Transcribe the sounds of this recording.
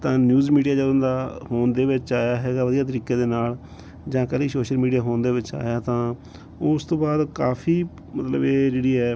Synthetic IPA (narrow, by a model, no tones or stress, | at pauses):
t̪ãːnjuːzmiːɖijaːd͡ʒəd̪ʊnd̪aːhoːnd̪eːʋɪt͡ʃaːjaːɦɛːɡaːʋəd̪ijaːt̪̬əɾiːkeːd̪eːnaːl | d͡ʒãːkəliːsoːʃəlmiːɖijaːɦoːnd̪eːʋɪt͡ʃa̰ːjaːt̪ãː | ʊst̪õːbaːd̪kaːpʰiː | mət̪lə̰beːd͡ʒeːɽiːɛː